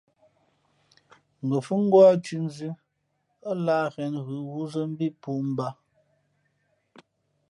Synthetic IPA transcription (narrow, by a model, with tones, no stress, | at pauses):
ŋ̩˨ɡə˨fu˦ŋ̩˦ɡwa˦t͡ʃʉ˦˨n˦zʉ˦ | a˦laː˦ɣɛ˨nɣɯ˨˦ɣu˦zə˦m̩˦bi˦pu˦˨m̩˦ba˦